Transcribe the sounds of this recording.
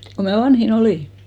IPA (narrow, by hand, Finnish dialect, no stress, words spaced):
ko mæ ʋɑnhin oliˑ